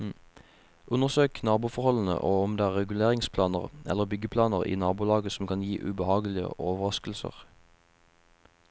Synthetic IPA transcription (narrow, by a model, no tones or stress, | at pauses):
ʔʉnəʁsøːknɑːbuːfɔʁhɔln̩ə̰ʔoːɔmd̪eːæːʁɛɡʉleːʁɪŋspʰlɑːnəʁɛ̰ləʁbʏɡəpʰlɑːnəʁḭːnɑːbuːlɑːɡəsɔm̩kʰɑnjiːʔʉ̰bəhɑːɡlɪə̰ʔoːʋəʁɑskl̩sə̰ʁ